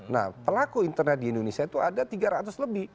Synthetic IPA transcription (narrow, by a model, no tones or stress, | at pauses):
na̰hpəlakuint̪ərnɛt̪̚diindonesiat̪uadat̪iɡaɾat̪ʊsləbɪh